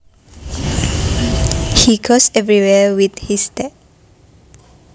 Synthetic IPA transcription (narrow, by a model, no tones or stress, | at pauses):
hiɡosɛvɹiwɛwid̪histɛt̚